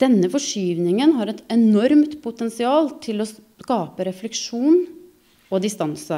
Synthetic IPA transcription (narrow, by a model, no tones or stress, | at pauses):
d̪̥ɛnːəfɔʂyːʋnɪŋənɦɑɾɛt̪ɛnɔɾmt̪pʰʊt̪ɛnsɪɑːlt̪ʰɪlɔ | kɑːpəɾɛflɛkʂuːn | ɔd̪ɪst̪ɑnsə